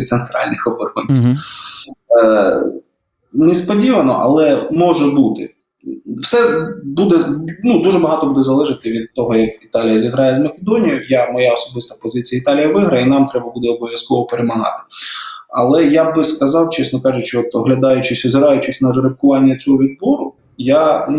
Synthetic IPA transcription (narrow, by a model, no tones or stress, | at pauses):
t̪sent̪ɾɑ̰lʲnɪxɔbɔrɔnʲt͡sʲi | nɛspɔdʲiʋɐnɔ̰ʔɐ̰lˠɛmɔʒɛbut̪ɪ̰ | wsɛbud̪ɛnud̪uʒɛbɐɦɑt̪ɔbud̪ɛzɐlˠɛʒɪt̪ɪʋʲid̪̚t̪ɔɦɔjɐkit̪ɑlʲijɐzʲiɦɾɑjɛzmɐkʲed̪ɔnʲijʊjamɔjaɔsɔbɪst̪ɐpɔzɪt͡sʲijɐɪt̪ɑlʲijɐʋɪɦɾɐinɑmt̪ɾɛbɐbud̪ɛɔbɔʋʲjɐskɔʋɔpeɾemɐɦɑ̰t̪ɪ̥ɐ̰lˠɛjabɪskɐzɑwt͡ʃɛsnɔkɑʒʊt͡ʃɪɔt̪ɔɦlʲɐd̪ɑjʊt͡ʃɪsʲɔzɪɾɑjʊt͡ʃɪsʲnɐrɾɪpkʊʋɑnʲːɐt͡sʲɔɦɔʋʲid̪̚bɔɾʊ | ja